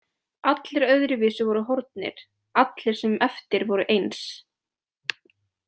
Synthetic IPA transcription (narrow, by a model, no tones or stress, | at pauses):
at̪lɪɾœɥðɾɪviːsʏvɔɾʏɦɔɾt̪nɪ̰ɾ̥ | at̪lɪɾ̥sɛmɛft̪ɪɾvɔɾʏʔejns